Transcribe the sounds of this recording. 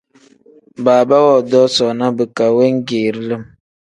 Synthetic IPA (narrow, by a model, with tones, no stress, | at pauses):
baː˨ba˦wɔ˦˨dɔ˦sɔ˨na˦bə˨ka˨we˦ŋ̩˦ɡeː˨ɾlə˦˨m